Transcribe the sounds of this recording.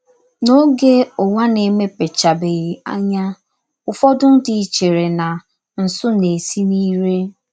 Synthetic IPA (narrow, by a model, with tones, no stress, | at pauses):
no˦ɡe˦ʊ˨wa˦ne˨me˦pe˨t͡ʃa˨be˨ɣi˨a̰˦ɲa˦ | ʊ˨fɔ˦dʊ˦n̩˦dɪ˨i˨t͡ʃe˨ɾe˨na˨ | n̩˨sʊ˦ne˨si˦ni˦ɾe˦